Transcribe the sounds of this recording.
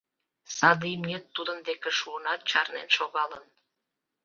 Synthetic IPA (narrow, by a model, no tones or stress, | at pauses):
sɑd̪imnʲet̪ːud̪ənd̪ekeʃuənɑt̪̚t͡ɕɑrnḛnʃoɣɑlən